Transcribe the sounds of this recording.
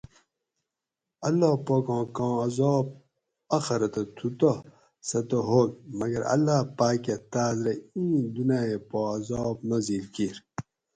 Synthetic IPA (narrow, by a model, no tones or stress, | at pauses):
ɐlːaːpoːkɑ̃ːkãːɐzɔːb̚ | ɐxɐɾɐt̪ɐt̪ʰut̪o | sɐt̪oɦoːkmɐɡɐɾɐ̰lːaːpaːket̪aːzɾɐĩːd̪unaːepoɐzɔːbnɐziːlkiɾ